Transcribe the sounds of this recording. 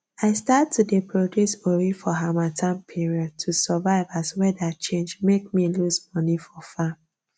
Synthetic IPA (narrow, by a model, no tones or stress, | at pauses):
aɪstatʰːudepʰɹodjusoɹifɔɦamatʰãmpʰiɹiɔd̚tʰusɛvaɪvaswɛdat͡ʃẽnd͡ʒmek̚milusmɔnifɔfam